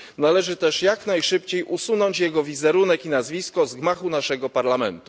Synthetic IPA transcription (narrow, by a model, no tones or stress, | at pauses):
nalɛʐɘt̪ɛʂjaknajʂɘpt͡ɕejʔusunɔɲt͡ɕjɛɡɔvʲizɛɾunɛkinazvʲiskɔzɡmaxunaʂɛɡɔpaɾlamɛ̰nt̪u̥